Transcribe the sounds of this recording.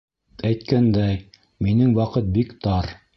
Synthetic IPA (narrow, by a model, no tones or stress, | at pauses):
æjt̪̚kænd̪æj | minɘŋwɑqɤt̪̚bikt̪ɑɾ